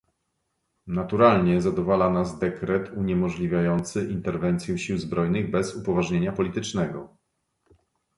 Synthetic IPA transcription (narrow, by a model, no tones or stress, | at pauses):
nat̪uɾalɲɛzad̪ɔvalanazd̪ɛkɾɛt̪uɲɛmɔʐlʲivʲjajɔnt̪sɘʔint̪ɛɾvɛnt̪sʲjɛ̃ɕiwzbɾɔjnɘɣbɛzupɔvaʐɲeɲapɔlʲit̪ɘt͡ʂnɛɡɔ̰